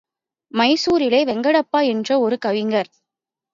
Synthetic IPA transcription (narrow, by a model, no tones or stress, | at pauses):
mɐɪsuːɾɪleːʋɛŋɡɐɽɐpːaːɛndrɐɔɾɯkɐʋɪŋɡɐɾ